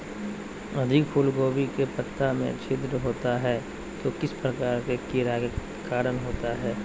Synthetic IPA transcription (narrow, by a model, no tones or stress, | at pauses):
ɐd̪ʱɪkpʰuːlɡoːwikepət̪ːamḛ̃t͡ʃʰɪd̪ɾəɦoːt̪aɦɛː | t̪oːkɪspɾɐkaːɾkekiɾake | kaːɾənɦoːt̪aɦɛː